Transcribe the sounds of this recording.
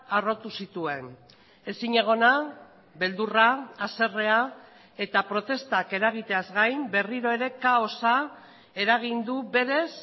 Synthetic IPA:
aro̞t̪usit̪ue̞n | e̞siɲe̞ɣ̞o̞na | be̞ld̪uraːse̞re̞a | e̞t̪apɾo̞t̪e̞st̪ake̞ɾaɣ̞it̪e̞azɣajmbe̞riɾo̞e̞ɾe̞kao̞sa | e̞ɾaɣ̞ind̪ube̞ɾe̞s

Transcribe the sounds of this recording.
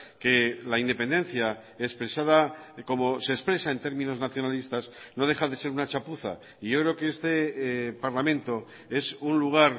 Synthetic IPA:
ke̞laind̪e̞pe̞nd̪e̞n̟θja | espɾe̞saðako̞mo̞se̞ːspɾesae̞nt̪e̞ɾmĩno̞znaθjo̞nalist̪asno̞ð̞e̞xaðe̞se̞ɾunat͡ʃapuθa̰ | iʝo̞kɾe̞okeest̪e̞paɾlamẽ̞nt̪o̞ | e̞sunluɣ̞aɾ

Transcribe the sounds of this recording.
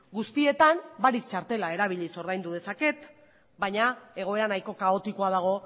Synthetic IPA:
ɡust̪ie̞t̪ambaɾik̚t͡ʃaɾt̪e̞lae̞ɾaβ̞iʎiso̞ɾðajnd̪uð̞e̞sake̞t̪ | baɲae̞ɣ̞o̞e̞ɾanajko̞kaot̪ikoað̞aɣ̞o̞

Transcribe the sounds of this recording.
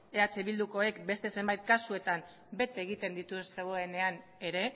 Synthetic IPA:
e̞at͡seβild̪uko̞e̞kbe̞st̪e̞se̞mbajt̪̚kasue̞t̪am | be̞t̪eɣ̞it̪e̞nd̪it̪usse̞ɣ̞o̞e̞ne̞an | e̞ɾe̞

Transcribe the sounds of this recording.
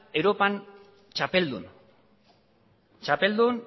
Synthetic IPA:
e̞wɾo̞pan | t͡ʃapeld̪ṵn | t͡ʃape̞ld̪un

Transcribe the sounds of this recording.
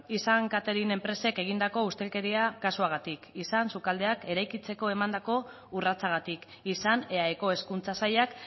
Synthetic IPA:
isaŋkat̪eɾine̞mpɾe̞se̞ke̞ɣ̞ind̪ako̞ust̪e̞lke̞ɾiakasuaɣ̞at̪ikisansukald̪e̞ake̞ɾajkit͡se̞ko̞e̞mand̪ako̞ | urat͡saɣ̞at̪ik | isaneaeko̞e̞skunt͡sasajak

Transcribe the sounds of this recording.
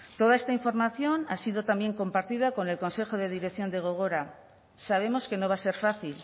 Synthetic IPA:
t̪o̞ðaest̪aiɱfo̞ɾmaθjo̞nasiðo̞t̪ambje̞ŋko̞mpaɾt̪iðako̞ne̞lko̞nse̞xo̞ðe̞ð̞iɾekθjo̞nd̪e̞ɣ̞o̞ɣ̞oɾa | saβ̞e̞mo̞ske̞no̞β̞ase̞ɾfaθil

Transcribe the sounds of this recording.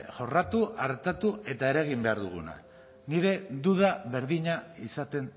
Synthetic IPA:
ʝo̞rat̪uʔaɾt̪at̪ue̞t̪ae̞ɾaɣ̞imbe̞aɾðuɣ̞una̰ | niɾe̞d̪uð̞aβe̞ɾðiɲaisat̪e̞n

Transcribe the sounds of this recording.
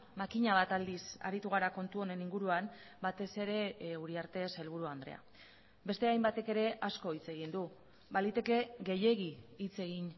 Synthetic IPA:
makiɲaβ̞at̪ald̪isa̰ɾit̪uɣ̞aɾako̞nt̪uo̞ne̞niŋɡuɾuam | bat̪e̞se̞ɾe̞uɾiaɾt̪e̞se̞lβ̞uɾuand̪ɾe̞̰a̰ | be̞st̪e̞ajmbat̪e̞ke̞ɾe̞ʔasko̞it͡se̞ɣ̞ind̪u | balit̪e̞ke̞ɣe̞je̞ɣ̞iːt͡se̞ɣ̞in

